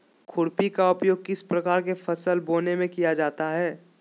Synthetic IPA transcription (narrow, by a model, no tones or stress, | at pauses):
kʰʊɽpikaʊpjoːɡ̚kɪspɾɐkaːɾkefʰɐsəlboːnemẽkijad͡ʒaːt̪aɦɛː